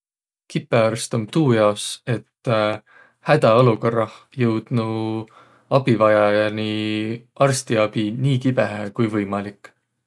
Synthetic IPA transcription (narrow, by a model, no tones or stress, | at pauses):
kipːˑe̞ɑrst̪omt̪uːjɑo̞se̞t̪ː | hæd̪̥ɑoluko̞rːɑh | jɤwd̪̥nu | ɑb̥ivɑjɑjɑniʔɑrst̪iɑb̥iniːkibeɦækujvɤjmɑlikˑː